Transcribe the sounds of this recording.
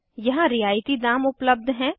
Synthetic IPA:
jɐɦãɾɪjaːjt̪id̪aːmʊpləb̚d̪ʱɦɛ̃ː

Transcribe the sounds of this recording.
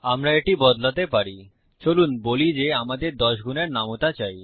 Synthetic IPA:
amɾaeʈibɔd̪lat̪epaɾi | t͡ɕolunbolid͡ʑeamad̪eɾd̪ɔʃɡʱuneɾnamot̪at͡ɕaj

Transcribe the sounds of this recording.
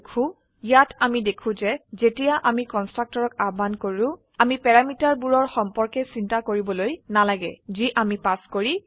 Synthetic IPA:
kʰũ | jatamidekʰũzɛzetijaʔamikɔnstɹak̚tɔɹɔkabankoɹʊ̃ | amipɛɹamitaɹbuɹɔɹxɔmpɔɹkɛsintakoɹibɔlojnalaɡɛ̰ziʔamipaskoɹi

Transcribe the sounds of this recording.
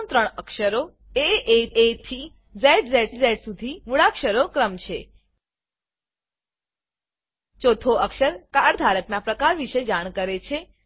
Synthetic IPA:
mt̪ɾəɳ̃əkʃəɾo | eeet̪ʰi | zɛʈzɛʈzɛʈsud̪ʱimuɭakʃəɾokɾəmt͡ʃʰe | t͡ʃot̪ʰoəkʃəɾkaɾd̪ʱaɾəknapɾəkaɾʋiʃed͡ʒaɳ̃kəɾet͡ʃʰe

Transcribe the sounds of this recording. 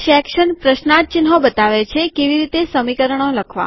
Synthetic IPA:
ʃɛkʃənpɾəʃnat̪̚t͡ʃɪnɦobət̪aʋet͡ʃʰekeʋiɾit̪esəmikəɾəɳ̃oləkʰʋa̰

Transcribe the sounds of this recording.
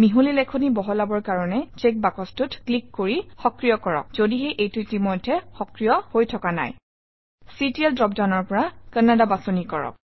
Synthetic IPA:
miɦulilɛkʰonibɔɦɔlabɔɹkaɹɔnɛt͡ʃek̚bakɔstutklikːoɹixɔkɹijɔkɔɹɔ̰k̚z̥odiɦejʔejtutimojdʱːɛxɔkɹijɔhojtʰɔkana̰j | sitiɛldɹɔp̚daʊnɔɹpɔɹakənadabasonikɔɹɔ̰k̚

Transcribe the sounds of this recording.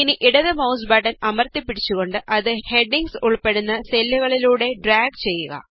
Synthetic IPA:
iniʔiɽɐðɨmɐwsbɐɽɐnɐmɐrt̪ipːiɽit͡ɕːuɣo̞ɳɖɨʔɐðɨhe̞ɖiŋɡsuɭpe̞ɽunːɐselːuɣɐɭiluːɽe̞ɖraːɡ̚t͡ɕe̞jːuɣɐ̰

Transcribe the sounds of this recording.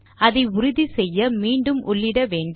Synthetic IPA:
ɐðɐɪʊɾʊðisɛjːɐmiːɳɖɯmʔʊɭːɪɽɐʋeːɳɖ

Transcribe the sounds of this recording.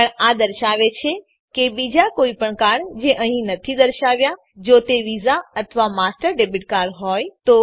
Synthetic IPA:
əɳad̪əɾʃaʋet͡ʃʰe | kebid͡ʒakoipəɳkaɳd͡ʒeʔəɦĩnət̪ʰid̪əɾʃaʋja | d͡ʒot̪eʋizaət̪ʰəʋamasʈəɾɖebiʈ̚kaɾɦɔjt̪o

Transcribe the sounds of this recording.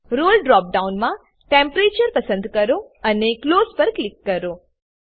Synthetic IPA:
ɾoːlɖɾɔːp̚ɖaunmã | ʈempɾet͡ʃəɾpəsənd̪ʱkəɾoənekloːspəɾklɪkːəɾoː

